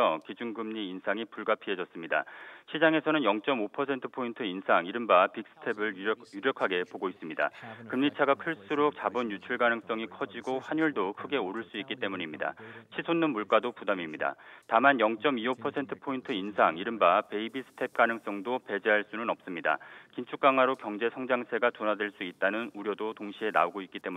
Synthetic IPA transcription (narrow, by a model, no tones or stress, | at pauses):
ʌkid͡ʑuŋɡɯmɲiːnsʰaŋipuɭɡapʰie̞d͡ʑʌs͈ɯmɲida̰ɕʰid͡ʑaŋe̞sʰʌnɯnjʌŋt͡ɕ͈ʌmopʰʌsʰe̞ntʰɯ̥pʰointʰɯinsʰaŋiɾɯmbapik̚s͈ʰɯ̥tʰe̞bɯɭjuɾjʌkʰaɡe̞poɡois͈ɯmɲida̰kɯmɲit͡ɕʰaɡakʰɯɭs͈uɾok̚t͡ɕabɯnjut͡ɕʰuɭɡanɯŋs͈ʌŋikʰʌd͡ʑiɡoɸwaɲuɭdokʰɯɡe̞oɾɯɭs͈uik͈it͈e̞muɲimɲida̰t͡ɕʰisʰonːɯnmuɭk͈adopudamimɲida̰tamanjʌŋt͡ɕ͈ʌmiopʰʌsʰe̞ntʰɯ̥pʰointʰɯinsʰaŋiɾɯmbape̞ibisʰɯ̥tʰe̞p̚k͈anɯŋs͈ʌŋdope̞d͡ʑeɦaɭs͈unɯnʌp̚s͈ɯmɲida̰kint͡ɕʰuk͈aŋwaɾokjʌŋd͡ʑe̞sʰʌŋd͡ʑaŋsʰe̞ɡatonadweɭs͈uit̚t͈anɯnuɾjʌdotoŋɕʰie̞na̰oɡoik͈it͈e̞m